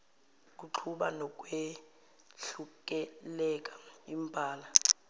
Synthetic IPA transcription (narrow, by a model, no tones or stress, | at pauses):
k̬uǁʰuɓanɔk̬ʼwe | ɬuk̬ʼɛlɛk̬ʼaimpʼaːla